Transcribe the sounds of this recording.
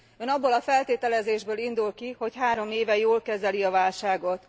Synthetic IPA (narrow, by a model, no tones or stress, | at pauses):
øːnɒbːolɒfɛlt̪eːt̪ɛlɛzeːʒbøːlind̪ulkiho̞chaːɾo̞meːvɛjoːlkɛzɛliɒvaːlʃaːɡo̞t̪